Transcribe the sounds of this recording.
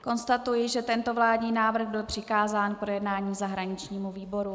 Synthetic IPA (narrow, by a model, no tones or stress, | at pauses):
ko̞nst̪at̪ujɪʒɛt̪ɛnt̪ovlaːdɲiːnaːvɾ̩r̩ɣbɪlpr̝̥ɪkaːzaːnpɾojɛdnaːɲiːzaɦɾaɲɪt͡ʃɲiːmuviːbo̞ɾu